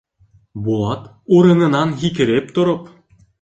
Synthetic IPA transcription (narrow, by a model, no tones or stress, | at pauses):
bulˠɑt̪ | uɾɤ̆nɤ̆nɑnɣikɘ̆ɾep̚t̪ŏɾɤ̆p